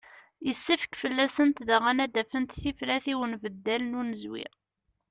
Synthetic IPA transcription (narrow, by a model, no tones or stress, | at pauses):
jəsːifə̥kfəlːæsənt̪ðæʁænæd̪æfənt̪θiflæθiwənvəd̪ːælənunəzwɪ̰ʁ